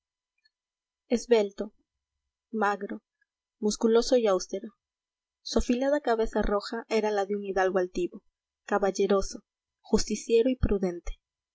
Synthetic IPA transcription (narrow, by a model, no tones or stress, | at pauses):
ezβe̞lt̪o̞ | maɣɾo̞ | muskulo̞so̞iawst̪eɾo̞ | suafilaðakaβe̞saro̞xaʔe̞ɾalaðeuŋiðalɣoalt̪iβo̞ | kaβaʝe̞ɾo̞so̞ | xust̪isje̞ɾoipɾuðe̞nt̪e̥